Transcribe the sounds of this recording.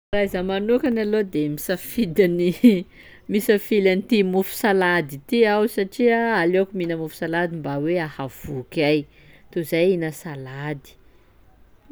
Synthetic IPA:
rajzəmanukanalod̪emisəfid̪ani | misəfilanit̪imufu̥salad̪it̪iawsaʈ͡ʂiaaleakuminəmufu̥salad̪imbaweahav̥ukaj | t̪uzajinəsalad̪i̥

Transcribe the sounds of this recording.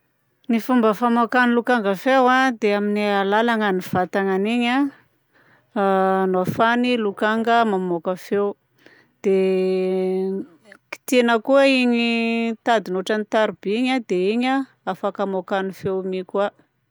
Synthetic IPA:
nifumbəfamokanilukaŋɡəfewad̪eaminialalaŋəniv̥at̪aŋaniɲa | nafanilukaŋɡəmamokəfew | d̪̥e | ki̥t̪enəkuəiɲit̪ad̪inoʈ͡ʂanit̪aɾubiiɲad̪eiɲa | afakamokanifewmikua

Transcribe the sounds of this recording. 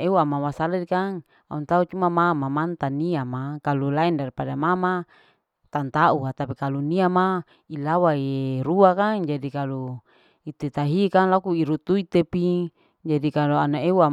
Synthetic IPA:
euamamasaladikaŋ | a̰unt̪aut͡ʃumamamamant̪aniamakalulaɛndaripadamama | t̪ant̪auat̪apikaluniama | ilawairuakaŋd͡ʒadikalu | it̪et̪aɦikaŋlakuiɾut̪uit̪epi | d͡ʒadikaloanaeua

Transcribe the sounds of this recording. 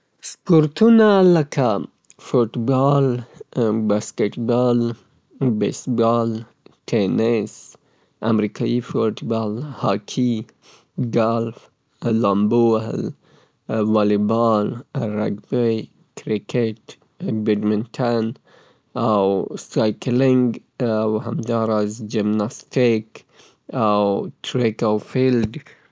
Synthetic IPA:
spoɾt̪unalakʰa | fuʈbɑl | baskeʈbɑl | bḛsbɑl | ʈʰenɪs | a̰mɾikʰɑjifoʈbɑlhɑkʰi | ɡalf | lɑmbo̰l | walɪbɑlɾa̰ɡbej | kɾɪkʰeʈ | bɪɖmɪntʰan | awsajklɪŋɡ | awhamd̪ɑɾazd͡ʒɪmnastɪk | awʈʰɾekawfilɖ

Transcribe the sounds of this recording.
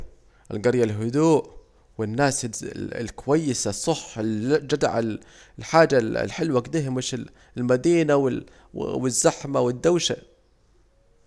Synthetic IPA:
ʔɪ̰lɡɑɾjalɦʊd̪uːʔ | wɪnːaːsɪ̰lkʊwajːɪsasˤɑħɪld͡ʒad̪ʕal | lħaːd͡ʒa̰lħɪlwaɡd̪iːɦɪmɪʃɪ | lmad̪iːnawɪ | wɪzːaħmawɪd̪ːawʃa̰

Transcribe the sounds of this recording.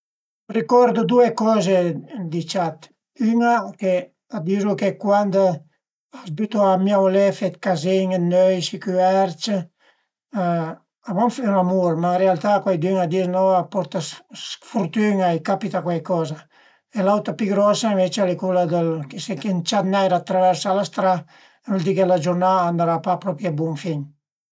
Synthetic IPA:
rikɔɾd̪ud̪uekɔzed̪it͡ʃat̪ | ynake | ad̪izukekwand̪ | asbyt̪uamjawlɛfɛt̪kazeŋed̪nøjsikyɛɾt͡ʃ | abɔnfɛunamuɾmainrealt̪akwajd̪yŋad̪iɾnɔapɔɾt̪asfuɾt̪yŋajkapit̪akwajkɔza | elawt̪apiɡɾɔsaiɱvet͡ʃealekulad̪əlkesekent͡ʃat̪najɾat̪ːɾavɛɾsalast̪ɾa | nuld̪ikelad͡ʒuɾnaːnd̪aɾapapɾɔpjabuŋfiɲ

